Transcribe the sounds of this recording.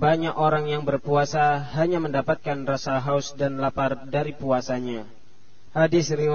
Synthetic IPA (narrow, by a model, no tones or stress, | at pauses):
baɲakoɾaŋjaŋbərpuasaɦaɲaməndapat̪̚kanrasaɦaʊsdanlapardaɾipuasaɲa | hadɪsɾiw